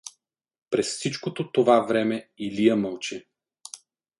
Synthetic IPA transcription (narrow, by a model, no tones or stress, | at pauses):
pɾɛsfsit͡ʃkot̪ot̪ovavɾɛmɛilijəməlˠt͡ʃɛ